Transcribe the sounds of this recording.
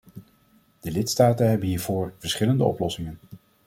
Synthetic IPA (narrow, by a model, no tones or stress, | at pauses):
d̥əlɪtstaːtənɦɛbənɦiːɹvoːɹvəɹsχɪləndəɔ̰plɔsɪŋən